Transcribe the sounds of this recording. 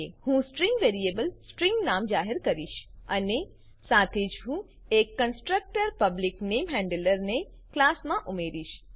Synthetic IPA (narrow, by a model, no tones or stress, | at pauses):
ehũsʈɾĩŋɡʋeːɾiebəlsʈɾĩŋɡnaːmd͡ʒaːɦɪɾkɐɾiːʃɐne | saːt̪ʰed͡ʒɦũ | eːkːɐnsʈɾək̚ʈəɾpɐblɪkneːmɦɛ̃ːɳɖələɾne | klaːsmãʔʊmeːɾiːʃ